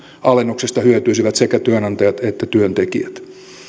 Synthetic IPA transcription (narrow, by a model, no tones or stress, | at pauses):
ɑlenːoksest̪ɑhyøt̪yisiʋæt̪sekæt̪yønɑnt̪ɑjɑt̪et̪ːæt̪yønt̪ekiæt̪